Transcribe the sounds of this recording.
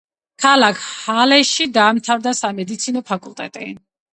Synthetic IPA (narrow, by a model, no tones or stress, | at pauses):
kʰalˠakʰhalɛʃid̪aːmt̪ʰavd̪asamɛd̪it̪sʰinɔpʰakʼulˠt̪ʼɛ̰t̪ʼɛ̰